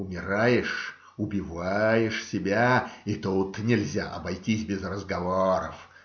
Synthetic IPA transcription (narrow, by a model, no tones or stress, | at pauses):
ʊmʲɪɾajɪʂ | ʊbʲɪvajɪʂsʲɪbʲait̪ut̪nʲɪlʲzʲa̰ʔɐ̰bɐjtʲisʲbʲɪzrəzɡɐvoɾə̰f